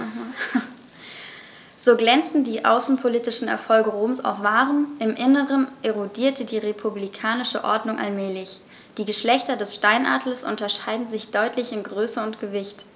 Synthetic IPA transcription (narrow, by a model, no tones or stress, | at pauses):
z̥oːɡlɛnt͡stn̩diːʔa̰ʊsn̩pʰoliːtɪʃn̩ɛ̰ɐfɔlɡəʁoːmsa̰ʊfv̥aːʁənʔɪmʔɪnəʁənʔeʁodiːɐtʰədiːʁepʰublikʰaːnɪʃə̰ʔɔ̰ɐdnʊŋʔa̰lmɛːlɪç | d̥iːɡəʃlɛçtɐdɛsʃtaɪnʔa̰ːdl̩sʔʊ̰ntɐʃaɪdn̩zɪçd̥ɔʏtʰlɪçɪnɡʁøːsəʊntɡ̥əvɪçt